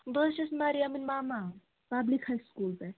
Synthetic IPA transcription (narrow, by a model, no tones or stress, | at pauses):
bəɕismaɾiaminʲmama | pablikhajskulpe